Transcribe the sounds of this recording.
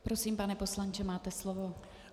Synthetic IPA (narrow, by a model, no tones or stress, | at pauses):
pɾo̞siːmpanɛpo̞slaɲt͡ʃɛmaːt̪ɛslovo̞